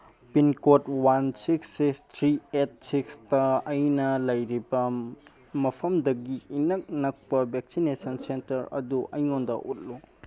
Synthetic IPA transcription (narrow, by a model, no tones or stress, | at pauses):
pinkotwansiksːikstʰɾiet̚sikstɐɐjnɐlɐjɾibɐ | mɐpʰɐmdɐɡiːnɐk̚nɐk̚pɐbek̚sinesɐnsentɐɾɐ̰duʔɐjŋondɐ̰ʔut̚lu